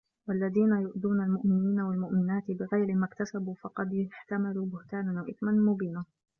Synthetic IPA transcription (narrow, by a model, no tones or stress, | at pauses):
walːaðiːnajʊʔd̪uːnalmʊʔmɪniːnawalmʊʔmɪnaːt̪ɪbɪɣajɾɪmakt̪asabuːfɑqɑd̪ħt̪amaluːbʊht̪aːnanwaʔɪθmanmʊbiːna